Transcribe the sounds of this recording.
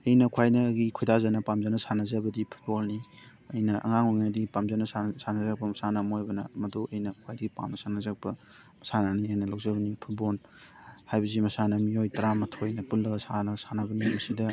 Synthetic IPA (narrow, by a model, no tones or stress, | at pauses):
ɐjnɐkʰwajnɐːɡikʰojdazɐnɐpamzanɐsanɐzɐbɐdipʰu̥t̚bolni | ɐjnɐʔɐ̰ŋaŋoŋnadiɡpamzanɐsasanɐzak̚pɐmɐsanɐmojbɐnɐmɐduʔɐjnɐkʰwajdiɡipa̰mɐsanɐzak̚bɐ | mɐsananiajnɐlawzɐbɐnipʰut̚bol | hajbɐzimɐsanɐmiojtɐɾamɐtʰojnɐpulːɐɡɐsanɐsanɐbɐnimɐsidɐ